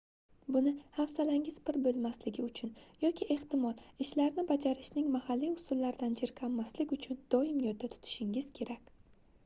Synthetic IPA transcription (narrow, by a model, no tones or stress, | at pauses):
bʊnɪhafsalaŋʲɪzpɪɾbolˠmaslɪɡʲɪʊt͡ʃʰʊnjɒkʲʰɪʔe̞ht̪ɪmɒlˠɪʃlaɾnɪbad͡ʒaɾɪʃnɪŋmahalːiʊsʊlːaɾd̪and͡ʒeɾkʲʰamːaslɪkʲʊt͡ʃʰʊnd̪̥ɒɪmjɒd̪at̪ʰʊ̥t̪ʰɪ̥ʃɪŋɪz̥kʲʰe̞ɾakʲ